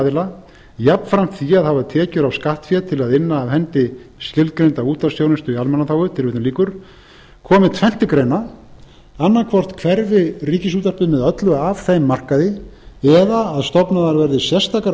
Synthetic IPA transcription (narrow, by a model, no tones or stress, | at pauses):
ðɪla | japn̥fɾam̥t̪θiaðhavat̪ʰɛːcʏɾavskaht̪fjɛt̪ʰɪlaðɪnːaːvɦɛnt̪ɪscɪlt̪̚kɾejnt̪auːt̪asjownɪnst̪ʏialmɛnaθawʏt̪ʰɪlvɪːt̪liːkʏɾ̥ | kʰɔːmɪt̪ʰvɛn̥t̪ɪkɾejna | anːakʰvɔr̥t̪kʰvɛɾvɪriːcɪsuːt̪ar̥pɪmɛðœt̪lʏav̥θejmːar̥kaðɪɛðaːðst̪ɔpnaðaɾvɛɾðɪsjɛ̥st̪ʰaːka